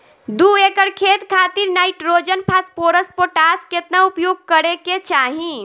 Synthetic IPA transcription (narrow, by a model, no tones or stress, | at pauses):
d̪uekəɾkʰet̪kʰat̪iɾnajʈɾod͡ʒənpʰaspoɾəspoʈasket̪naupjoɡ̚kəɾeket͡ʃaɦĩ